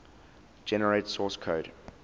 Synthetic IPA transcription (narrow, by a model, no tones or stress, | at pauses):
d͡ʒɛnəɹetsɔːskʰoʊd